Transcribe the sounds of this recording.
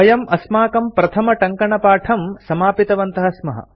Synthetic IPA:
ɐjɐmɐsmaːkɐmpɾɐt̪ʰɐmɐʈɐŋkɐɳɐpaːʈʰɐmsɐmaːpit̪ɐʋɐnt̪ɐɦɐsmɐɦɐ̰

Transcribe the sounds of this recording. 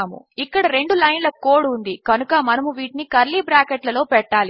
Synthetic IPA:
mṵ | ikːɐɽɐɾe̞ɳɖulɐjnlɐkoːɽund̪ikɐnukɐmɐnɐmuʋiːʈinikɐɾliːbɾaːkeʈlɐlo̞ːpɛʈːaːli

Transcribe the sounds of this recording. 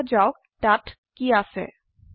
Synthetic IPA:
d͡ʒawk | ʈat | kijasɛ̰

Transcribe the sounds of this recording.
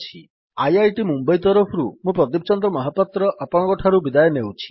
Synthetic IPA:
t͡ʃʰi | ajajʈimumbɔjt̪ɔɾɔpʰɾṵmũpɾɔd̪ipɔt͡ʃɔnd̪ɾɔmɔɦapat̪ɾɔʔapɔɽ̃kɔʈʰaɾubid̪ajɔnewt͡ʃʰi̥

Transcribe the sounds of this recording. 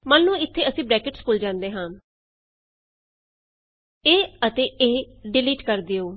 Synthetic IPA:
maːnːũːɪt̪ʰːeːəsĩːbɾɛːkɪʈspʊld͡ʒãːnd̪eːɦãː | eːət̪eːeː | ɖɪliːʈkəɾd̪eːoː

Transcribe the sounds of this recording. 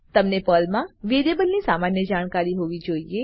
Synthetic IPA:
t̪əmnepəlmãʋed̪ebəlnisamanjəd͡ʒaɽ̃kaɾiɦoʋid͡ʒoie

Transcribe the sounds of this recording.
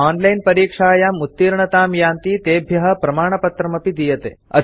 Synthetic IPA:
aːnlɐjnpɐɾiːkʂaːjamut̪ːiːɾɳɐt̪aːmjaːnt̪iːt̪eːbʱjɐɦɐpɾɐmaːɳ̃ɐpɐt̪ɾɐmɐpid̪ijɐt̪ḛːɐ̰

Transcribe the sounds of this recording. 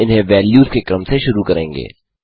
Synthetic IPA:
ɪnɦẽʋɛːljuːzkekɐɾmseʃʊɾukɐɾḛ̃ːŋɡḛː

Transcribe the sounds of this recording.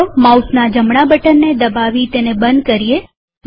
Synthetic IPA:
mausnad͡ʒəmɳabəʈənːed̪əbaʋit̪enebənd̪̚kəɾie

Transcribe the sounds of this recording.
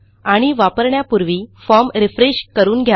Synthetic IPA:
aɽ̃iʋapəɾɳjapuɾʋiːfɔɾmɾifɾeɕkəɾuːnɡʱja

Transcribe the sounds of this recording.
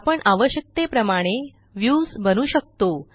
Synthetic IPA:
pəɳʔaʋəɕjək̚t̪epɾəmaɽ̃e | ʋjuːsbənuːɕək̚t̪o

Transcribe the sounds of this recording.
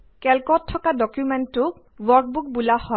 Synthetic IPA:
kɛlkɔtʰːɔkadɔkjumɛntːʊk̚ | wɔɹk̚buk̚bulahɔ

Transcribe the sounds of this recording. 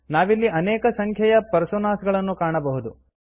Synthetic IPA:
naːʋilːiʔɐnɛːkɐsɐŋkʰjɐjɐpɐɾsonaːsɡɐɭɐnːukaːɳɐbɐɦud̪u

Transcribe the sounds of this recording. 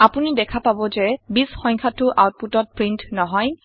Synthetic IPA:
apunidɛkʰapabɔzɛbisxɔjŋkʰatʊʔawt̚putɔt̚pɹintnɔɦɔj

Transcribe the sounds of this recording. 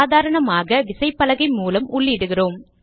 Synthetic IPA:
ðaːɾɐɳɐmaːɣɐʋɪsɐɪpːɐlɐɣɐɪmuːlɐmʊɭːɪɽɯɣɪroːm

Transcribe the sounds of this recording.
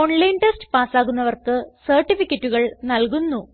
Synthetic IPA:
oɳlɐjnʈestɨ̥paːsaːɣunːɐʋɐrkɨsɐrʈːifikʲːɐtːuɣɐɭnɐlkunːu

